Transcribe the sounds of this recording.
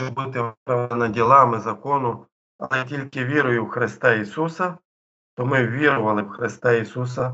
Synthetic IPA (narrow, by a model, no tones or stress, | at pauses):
but̪ɪpɾɐʋnɐdʲilˠɑmɪzɐkɔnʊ | ɐ̰lˠɛtʲilʲkɪʋʲiɾʊjʊwxɾɪst̪ɑisusɐ | t̪ɔmɪwʋʲiɾʊʋɐlˠɪwxɾɪst̪ɑisus̬ɐ